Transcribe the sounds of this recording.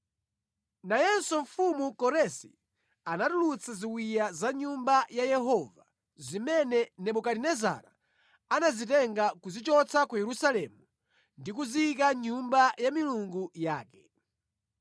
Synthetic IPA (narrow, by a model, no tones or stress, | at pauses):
najɛnsɔɱfumukɔɾɛsḭ | anatulut͡sʰaziwwijazaɲumbajajɛɦɔva | zimɛnɛnɛɓukaɾinɛza̰ɾa̰ | anazitɛŋɡakuzit͡ʃɔt͡sʰakajɛɾusalɛmu | ndik̬uziik̬aɲumbajamiluŋɡujaːkɛ̥